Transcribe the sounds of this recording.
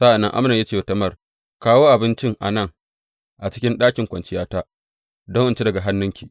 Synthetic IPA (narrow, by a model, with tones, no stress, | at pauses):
sa˦ʔa˨nːɐ˦ŋʔa̰˦mna˨jaː˦t͡ʃeː˦˨tɐ˦mɐ˦˨r | kaː˦woː˦ʔa˨bɪ˦nt͡ʃɪ˦ŋʔa̰˨nɐ˦˨ŋ | ʔa˨t͡ʃɪ̥˦kʲɪ˦nɗaː˦kʲɪ˨ŋkʷɐ˨nt͡ʃɪ˦jaː˦taː˦ | dɔ˦ŋʔʊ˦nt͡ʃe˦dɐ˨ɡa˨ɦa˦nːʊ˦ŋkʲiː˨